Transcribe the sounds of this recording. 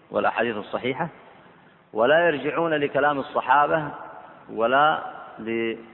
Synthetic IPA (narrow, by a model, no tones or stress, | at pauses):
wɪ̰lʔa̰ħaːd̪iːθɑsˤːɑħiːħa | walajɑɾˤd͡ʒɪʕuːnalɪkalaːmɑsˤːɑħɑːba | walalɪ